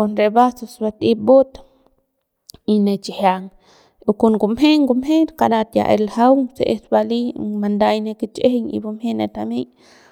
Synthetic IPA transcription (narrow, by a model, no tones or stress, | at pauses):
konɾebasosbat̪ip̚bot̪ | inet͡ʃihjaŋ | ukunɡumheŋɡumheɾkadat̪ja̰ʔḛlhawŋseʔesbalimand̪ajnekit͡ʃeheɲḭbumhenet̪amej